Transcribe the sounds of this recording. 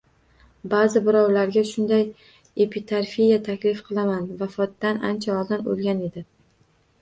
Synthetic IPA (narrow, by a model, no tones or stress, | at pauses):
bazɪbɪɾɒwlaɾɡʲaʃʊnd̪aj | epʰit̪ʰaɾfijat̪ʰakʲlɪfqʰɨlˠamanvafɒt̪ːana̰nt͡ʃʰaɒld̪ɪno̰lˠɡʲane̞d̪ɪ